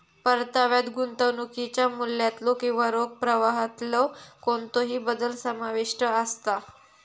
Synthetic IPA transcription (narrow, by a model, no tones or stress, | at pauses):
pəɾt̪aʋjad̪ɡunt̪əʋnukit͡ɕjamulːjat̪lokĩʋaɾoɡ̚pɾəʋaɦət̪lɔkont̪oɦiːbəd̪əlsəmaʋiʂʈəəst̪a